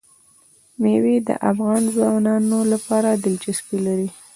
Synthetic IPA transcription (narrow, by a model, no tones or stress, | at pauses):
mewed̪ə̰ʔafɣɑnzwɑnɑnolapɑɾad̪ɪld͡ʒaspilaɾi